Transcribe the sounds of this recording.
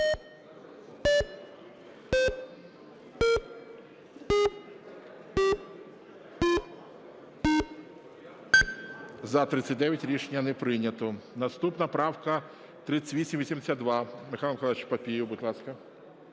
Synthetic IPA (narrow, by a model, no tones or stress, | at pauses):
zɐt̪ɾɪt̪sʲːɐt̚ʲd̪ɛʋʲjɐtʲɾʲiʃenʲːɐnɛpɾɪnʲɐt̪ɔnɐst̪upnɐpɾɑwkɐ | t̪ɾɪt͡s̪ʲːɐ̥ʋʲisʲimʋʲisʲimd̪esʲad̪d̪ʋɑmɪxɑlˠɐmkɔlˠt͡ʃpɐpʲijʊbʊd̪ʲlˠɑskɐ